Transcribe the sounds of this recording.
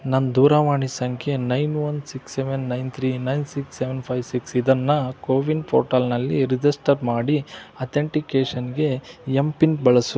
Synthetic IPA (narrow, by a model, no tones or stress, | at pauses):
nɐnd̪uːɾaːʋaːɳisɐŋkʰenɐjnʋɐnsikseʋenːɐjnt̪ʰɾinɐjnsiksːeʋenpʰɐjʋsiksid̪ɐnːɐkoːʋinpʰo̰ːʈaːlnɐlːiɾid͡ʒɐsʈɐɾmaːɽiɐt̪ʰeɳʈikeːʂɐnɡe̞jempinbɐɭɐsu